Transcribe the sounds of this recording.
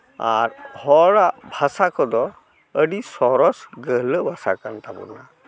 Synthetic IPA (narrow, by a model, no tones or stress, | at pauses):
a̰ɾhɔɽaʔbʱasakɔd̪ɔ | əɖisɔɾɔsɡəɦləbʱasakant̪abɔ̰na